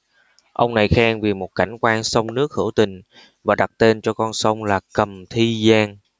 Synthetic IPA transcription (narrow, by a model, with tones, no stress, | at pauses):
ʔə˧wŋ͡mna˨˩jxaː˧ŋvi˨˩mo˨˩t̚ka̰˧˩jŋ̟kwaː˧nsə˧wŋ͡mnɨ˦˥ək̚hɨ̰˧˩əwt̪ï˨˩ŋ̟ | vaː˨˩ɗa˨˩t̚t̪e˧nt͡ɕɔ˧kɔ˧nsə˧wŋ͡mlaː˨˩kə˨˩mt̪ʰi˧zaː˧ŋ